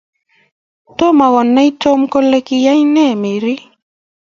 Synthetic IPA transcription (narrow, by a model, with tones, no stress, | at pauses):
to˦ma˨ɣɔ˨nːa˦i˦to˦mkɔ˦le˦ki˨ja˦i˦nɛ˦˨me˨ɾi˦